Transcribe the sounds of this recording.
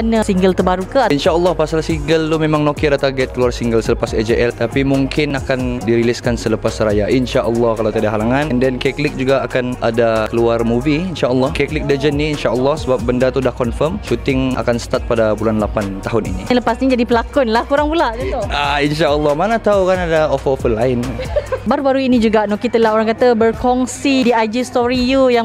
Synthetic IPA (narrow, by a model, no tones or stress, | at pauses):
anəsiŋɡəlt̪ərbaɾukəinʃaʔəlˠːɔhpasalsiŋɡəlt̪umemaŋnokɪɾat̪aɡɛt̪̚kəluarsiŋɡəlsələpased͡ʒeʔɛlt̪apimuŋkʰɪnakandiɾiliskansələpasrajaʔinʃaʔəlːɔhkalat̪adaɦalaŋãnndɛnkɛklɪk̚d͡ʒuɡaːkanʔadakəluarmuviinʃaʔəlːɔhkɛklɪk̚dəd͡ʒənːiːnʃaʔəlːɔhsəbap̚bəndat̪udahkɔnfəmt͡ʃut̪ɪŋa̰kansə̥t̪at̪̚padabulanlapant̪aɦʊnḭnḭləpasɲid͡ʒadipəlakʊnlahkuɾaŋpulaʔd͡ʒiainʃaʔəlːɔhmanat̪aukanadaɔffəlaɪnbaɾubaɾuinid͡ʒuɡaʔnɔkit̪əlaɦoɾaŋkat̪abərkɔŋsidiajd͡ʒist̪ɔɾijujaŋ